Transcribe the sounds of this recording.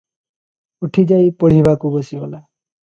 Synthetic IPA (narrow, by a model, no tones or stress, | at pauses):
uʈʰid͡ʒajpɔɽ̤ibʱakubɔsibɔla